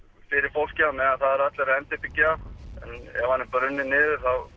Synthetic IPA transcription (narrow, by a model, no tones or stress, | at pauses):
fɪɾɪɾ̥fowl̥camɛðaθaðɛɾat̪lɛɾaðɛnt̪ɪpɪcːaɛ̰nɛ̰vhanːɪmpœɾʏnːɪnɪːðʏɾ̥θað